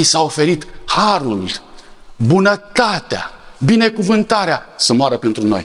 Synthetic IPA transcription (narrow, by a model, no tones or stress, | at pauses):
isaofe̞ɾit̪haɾul | bunət̪at̪ea̰bine̞kuvɨnt̪aɾeasəmoaɾəpent̪ɾuno̞̰j